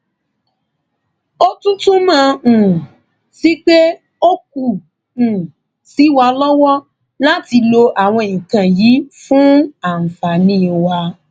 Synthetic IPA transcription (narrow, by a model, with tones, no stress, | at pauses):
o˦tũ˦tũ˦mã˨˦˨ | si˨˦k͡pe˦ | o˦k̚u˦˨ | ũ˨ | si˨˦wa˧lɔ˦wɔ˦ | la˦ti˧lo˧ʔa˨w̃ɔ̃˧˨ĩ˨kã˨jiː˨˦fũ˦a˦˨m̩˨fa˨nĩː˦˨wa˧